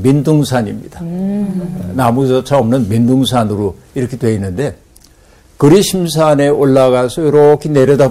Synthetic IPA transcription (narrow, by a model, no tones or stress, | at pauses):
minduŋsʰaɲimɲida | namusʌt͡ɕʰaʌmnɯnminduŋs̬ʰanɯɾo | iɾʌkʰetwe̞inːɯnde̞ | kɯɾiɕʰimsʰane̞ʔoɭːaɡasʰʌjʌɾʌkʰine̞ɾjʌda